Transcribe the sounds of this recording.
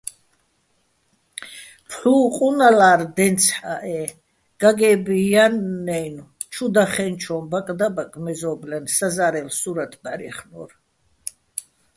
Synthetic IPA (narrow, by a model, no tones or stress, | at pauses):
pʰɬuːqʼunalaːɾd̪ɛnt̪sʰħaʔɛ | ɡ̥aɡɛbijanːɛjnut͡ʃʰud̪aχɛnt͡ʃʰɔmbakʼd̪abakʼmɛzɔblɛnsazaɾɛlsuɾat̪ʰbaɾḭχnɔ̰ɾ